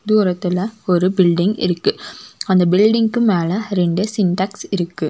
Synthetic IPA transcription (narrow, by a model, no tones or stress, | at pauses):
d̪uːɾɐt̪ːɪlɐɔɾɯbɪlɖɪŋɡɪ̰ɾɯkːɯɐnd̪ɐbɪlɖɪŋɡkɯmeːlɐɾɛɳɖɯsɪnʈɐksɪɾɯkːɯ